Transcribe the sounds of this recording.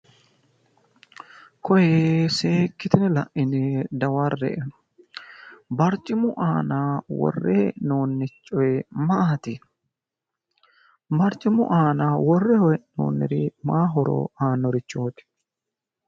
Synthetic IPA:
kʰɔjese̞ːkːɪt̪ɪnɛlɐ̰ʔɪnɪd̪ɐwɐrːɛ̰ʔɛn | bɐɾt͡ʃʼːɪmʊʔaːnawɔ̰rːɛʔnoːnːɪt͡ʃʼːɔjɛmaːt̪ɪ | mɐɾt͡ʃʼɪmʊ̰ʔaːnawɔrːɛhɔjɛʔno̰ːnːɪɾɪmaːɦɔɾɔ̰aːnːɔɾɪt͡ʃːoːt̪ɪ̥

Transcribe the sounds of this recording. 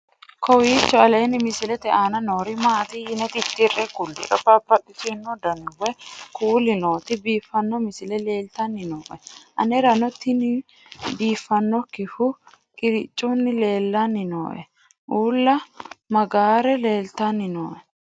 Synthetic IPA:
kʰɔwiːt͡ʃːɔɐleːnɪmɪsɪlɛt̪ɛʔanɐnoːɾɪmaːt̪ɪjɪnɛt̪ɪt̪ːɪrɛkʊlːɪ̰ɾɔbabːɐɗɪsʊnːɔd̪ɐnɪwɛkuːlɪnoːt̪ɪbiːfːɐnːɔmɪsɪlɛle̞ːlt̪ɐnːɪnoːʔɛʔɐ̰nɛɾɐnɔt̪ːɪnɪ | biːfːɐnːɔkːɪfʊ | kʼɪɾɪt͡ʃʼːunːɪle̞ːlːanːɪno̰ːʔɛ̰ | ʔuːlːɐmɐɡaːɾɛle̞ːlt̪anːɪno̰ːʔɛ

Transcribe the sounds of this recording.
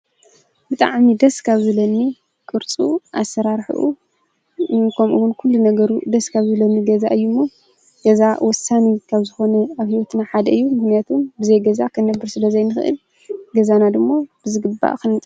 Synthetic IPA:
b̥ɨt̪ʼa̰ʕmid̪ɐskʰaβzɨlɐnːi | kʼɨɾt͡sʼuʔasːɐɾaɾħṵʔu | kʰɐmʔuwʊnkʰulːunɐɡɐɾud̪ɐskʰaβzɨlɐnːiɡɐza̰ʔɨjːumːo | ɡ̥ɐzawɔsanikʰaβzɨxo̞nɐaβhiwɔt̪naħad̪ɐɨjːumɨxnijat̪ʰumbɨzɐjɡɐzakʰɐnɐbːɨɾsɨlɐzɐjnɨxɨʔɨ̰l | ɡɐzanad̪ɨmːob̥ɨzɨɡɨbːa̰ʔkɨnʼ

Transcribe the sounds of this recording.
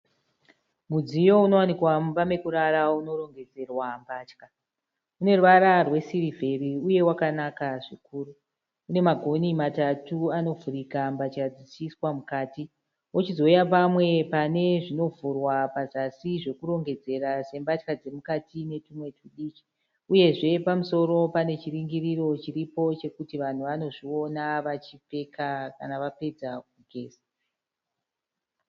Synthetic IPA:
mud͡zijo̞uno̞wanikwamubame̞kuɾaɾauno̞ɾo̞ŋɡe̞d͡ze̞rwambaːt͡ʃka | une̞ruʋaɾarwe̞sirivʱe̞riuje̞wakanakaʐikuːɾu | une̞maɡʱo̞nimatatuano̞vuɾikambat͡ʃkad͡zit͡ʃiswamukaːti | wot͡ʃizo̞ujapamwe̞pane̞ʐino̞vurwapazasiʐe̞kuɾo̞ŋɡe̞d͡ze̞ɾase̞mbatkad͡ze̞mukatine̞tumwe̞tuɗit͡ʃi̥ | uje̞ʐe̞pamuso̞ɾo̞pane̞t͡ʃiriŋɡiɾiro̞t͡ʃiɾipo̞t͡ʃe̞kutiʋan̤uʋano̞ʐio̞naʋat͡ʃipe̞kʰaka̰naʋape̞d͡zak̚uɡʱe̞ːza

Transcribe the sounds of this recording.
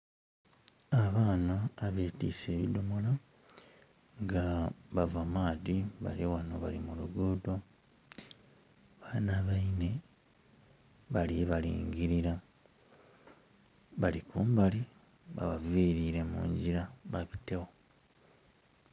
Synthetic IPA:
aβaːnaːβeːtḭːse̞ːβidomola | ŋɡaβavamaːdiβa̰lewanoβalimuluɡuːdo̞ | βaːnaβaine̞ | βaliβalḭːŋɡiɾiɾa | βalikuːmbali | βa̰βaviːɾiɾe̞mṵːɲɟiɾaβaβitewo

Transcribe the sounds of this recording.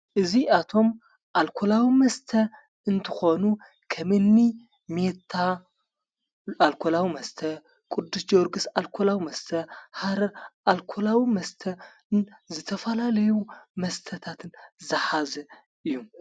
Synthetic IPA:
ʔɨziʔat̪ʰo̞m | ʔalkʰolawimɐst̪ʰɐ | ɨnt̪ʰɨxo̞nu | kʰɐmɨnːi | met̪ʰːa | alkʰolawimɐst̪ʰɐ | kʼʊd̪ːusd͡ʒoɾɡɨsalkʰolawimɐst̪ʰɐhaɾɐɾʔalkʰolawimɐst̪ʰɐ | zɨt̪ʰɐfɐlalɐjumɐst̪ʰɐt̪ʰat̪ʰɨnzɐħazɐ | ʔɨjːu

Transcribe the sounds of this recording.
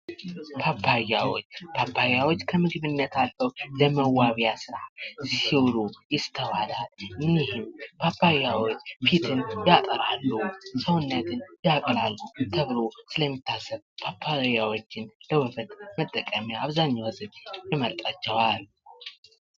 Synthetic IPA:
pʰapʰːajawo̰t͡ʃːpʰapʰːajawot͡ʃːkʰəmɨɡɨβɨnːət̪ʰalfəwləməwːaβjasɨɾazihiwlujɪst̪ʰːəwad̪alnihɪmpʰapʰːajawot͡ʃːfit̪ʰɨnjat̪ʼəɾalːusəwɨnːət̪ɨnjakʼɾalːut̪ʰəβɨlosɨləmːit̪ʰːasːəβpʰapʰːajawo̞t͡ʃːɪnləwɨbət̪mət̪ʼːəkʼəmjaaβzaɲːawəzɨt̪jɪməɾt̪ʼat͡ʃːɛwal

